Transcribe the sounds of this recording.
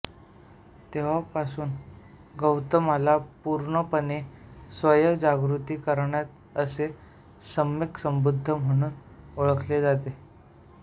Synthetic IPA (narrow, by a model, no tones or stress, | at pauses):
t̪eʋ̤apasuːn | ɡəwt̪əmalapuɾɳəpənesʋəjəd͡ʑaɡɾut̪iːkəɾɳjat̪ | əse | səmjeksəmbud̪ʱːəm̤əɽ̃uːnoɭəkled͡zat̪e